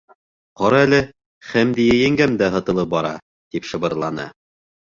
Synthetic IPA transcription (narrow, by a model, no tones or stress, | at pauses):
qɒɾɑælɘ | χæmd̪ijæjæŋɡæmd̪æɦɤ̆t̪ɤ̆lˠɤp̚bɒɾɑ̰ | t̪ipʃɤ̆βɤ̆ɾlˠɑnɤ̰